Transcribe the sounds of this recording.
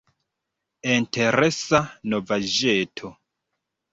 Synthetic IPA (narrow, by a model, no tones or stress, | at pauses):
intʰeɾesanovad͡ʒetʰo